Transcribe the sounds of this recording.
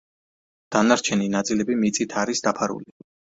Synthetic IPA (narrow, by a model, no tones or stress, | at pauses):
d̪̥anaɾt͡ʃʰɛninat̪sʼilɛbimit̪sʼit̪ʰaɾisd̪apʰaɾṵli